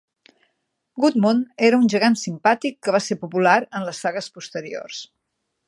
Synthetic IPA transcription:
ɡut̪moneɾəunʲʒəɣansimpat̪ikːəβasepupulaɾənləsːaɣəspust̪əɾio̰rs

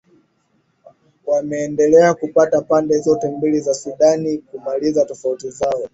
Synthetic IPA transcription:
wamɛːndɛlɛakupatapandɛzɔtɛmbilizasuɗanikumalizatɔfautizaɔ

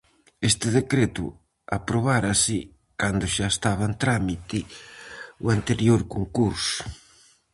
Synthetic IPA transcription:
est̪ɪðekɾet̪ʊ̰ | apɾoβaɾasɪ | kand̪ʊʃaest̪aβant̪ɾamit̪ɪ | uant̪eɾjoɾkoŋkuɾsʊ̥

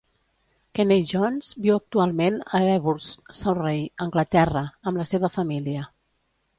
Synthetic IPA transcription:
kɛneʒɔnzbiwək̚t̪ualˠmenəɛβuɾssəwrejəŋɡlət̪ɛrəəmləseβəfəmiliə

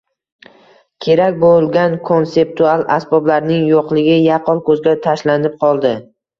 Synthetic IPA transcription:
kʲʰe̞ɾakʲbolˠɡʲankʰo̞nse̞p̚t̪ʰualˠasbɒblaɾnɪŋjoqlˠɪɡʲɪjaqʰɒlˠkʰɵzɡʲat̪ʰaʃlanɪp̚qʰɒlˠd̪ɪ

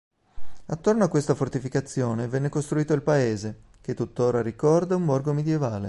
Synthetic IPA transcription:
at̪ːornoakwest̪afort̪ifikat̪sːjoːnevɛnːekost̪ɾuiːt̪oilpaeːze | k̟et̪ːut̪ːoːɾaɾikɔrd̪aumbɔrɡomed̪jevaːle

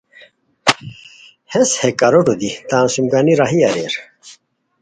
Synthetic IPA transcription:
heshekɐɾoʈud̪it̪ãːnsumɡaːniɾaɦiɐɾḛɾ

